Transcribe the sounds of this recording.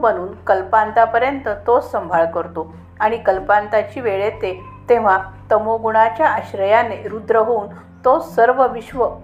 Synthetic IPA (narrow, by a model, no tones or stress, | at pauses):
bəñuːnkəlpant̪apəɾjənt̪ət̪ossəmbʱaɭkəɾt̪o | aɽ̃ikəlpant̪at͡ɕiːʋeɭet̪e | t̪eʋ̤at̪əmoɡuɽ̃at͡ɕjaəɕɾəjaneɾud̪ɾəɦoun | t̪osəɾʋəʋiɕʋə